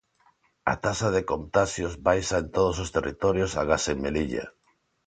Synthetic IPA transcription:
a̰t̪asað̞ekont̪asjozβajsaent̪oð̞osost̪erit̪ɔɾjosa̰ɣaseŋmeliʎa̰

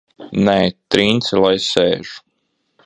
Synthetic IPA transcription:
nɛːt̪ɾiːnt̪silˠajseːʒ̥u̥

